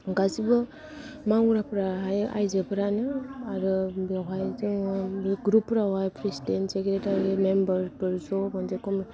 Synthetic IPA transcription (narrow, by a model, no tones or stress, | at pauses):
ɡazibɯ | maŋuɾapɾaɦaja̰jzɯpɯɾanɯaɾɯbawɦajziŋɡɾupːɾawajpʰɾesidentsekɾetaɾimembəɾpɯɾzɔmanzekɔm